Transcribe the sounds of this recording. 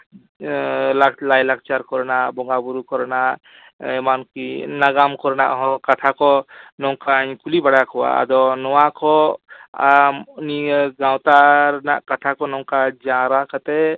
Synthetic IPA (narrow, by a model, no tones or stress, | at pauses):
laklajlak̚t͡ʃaɾkɔɾnabɔŋɡabuɾukɔɾna | emankinaɡamkɔɾna̰ʔɦɔ̃kat̪ʰakɔnɔwkaɲkulibaɽakʰɔwa̰a̰d̪ɔnɔwakʰɔaniɡawt̪aɾnakat̪ʰakɔnɔw̃kad͡ʒãɾakʰət̪e